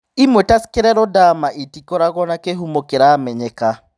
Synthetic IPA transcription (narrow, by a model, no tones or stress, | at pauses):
imwetaskeɾɛɾɔdamaʔitikɔɾaɣɔnakeɦumokeɾamɛɲɛka